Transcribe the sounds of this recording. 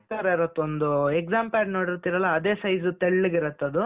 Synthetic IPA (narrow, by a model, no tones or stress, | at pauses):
t̪aːɾɐiɾot̪ːeond̪ueɡzaːmpaɾnoːɽiɾt̪iɾɐlːɐːd̪e̞ːsɐjzut̪eɭːuɡiɾɐt̪ːɐd̪u